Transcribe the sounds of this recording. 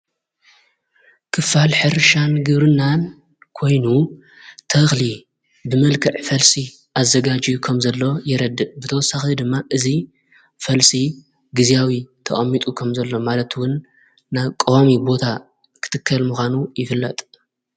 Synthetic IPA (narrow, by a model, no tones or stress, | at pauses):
kʰɨfalħɨɾɨʃanɡɨβɾɨnːan | kʰo̞jnu | t̪ʰɐxli | bɨmɐlkʰɐʕfɐlsi | ʔazɐɡad͡ʒijukʰɐmzɐlːo̞jɛɾɐd̪ːɨʔbɨt̪ʰɐwɔsːaxid̪ɨmːaʔɨzi | fɐlsi | ɡɨzijawit̪ʰɐ̰χʼɐmːit̪ʼukʰɐmzɐlːo̞malɐt̪wʊnː | aβkʼowamibo̞t̪ʰa | kʰɨ̥t̪ʰɨkʰːɐlmuxʷanujɪfɨlːɐt̪ʼ